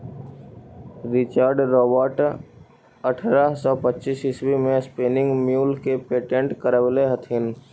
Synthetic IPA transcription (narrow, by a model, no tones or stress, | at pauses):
ɾɪt͡ʃaːɾɖɾɔːbəɾʈ | əʈʰɾasɔːpətːt͡ʃiːsɪswimẽspeːnɪ̃ŋɡmjuːlkepeːʈẽɳʈkəɾəʋleɦət̪ʰɪn